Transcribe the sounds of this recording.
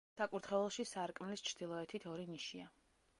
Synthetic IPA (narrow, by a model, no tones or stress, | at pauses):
sakʼuɾt̪χɛlɛlˠʃisaɾkʼmɛlist͡ʃʰɾd̪̥ilˠɔɛt̪ʰit̪ʰɔɾiniʃia